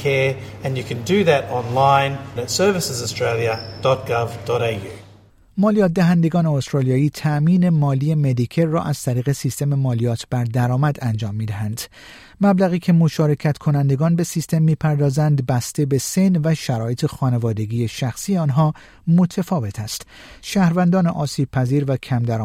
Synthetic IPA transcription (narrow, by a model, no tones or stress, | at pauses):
kʰɛɹ | ɨ̃njɨkʰɨ̃ndɨðɨɾɑ̃nlãɪ̃nətsɜ˞vɪsɪzəstɹ̥eɪlˠiəd̥ɔt̚ɡ̥ʌvd̥ɔɾejʉ̰ | mɒːlijɒːt̪̚d̪æɦænd̪e̞ɡɒːneost̪ɾɑːlijɒːiːt̪ʰæʔmiːne̞mɒːliːje̞med̪ikʰeɾːɒːʔæz̥t̪ʰæɾiːɣe̞siːst̪e̞me̞mɒːlijɒːt̪ʰb̥æɾd̪æɾɒːmæd̪ænd͡ʒɒːmːiːd̪æɦænd̪̥ | mæblæɣiːcʰe̞moʃɒːɾe̞cʰæt̪kʰo̞nænd̪e̞ɡɒːnbe̞sist̪e̞mːiːpʰæɾd̪ɒːzænd̪bæst̪ebe̞se̞nvæʃæɾɒːjet̪ʰe̞xɒːne̞vɒːd̪e̞ɡʲiːjeʃæxsiːjeɒːnɦɒː | mo̞t̪ʰæfɒːve̞t̪ʰæst̪ | ʃæːhɾvænd̪ɒːneʔɒːsiːb̥̚pʰæziːɾvæcʰæmd̪æɾ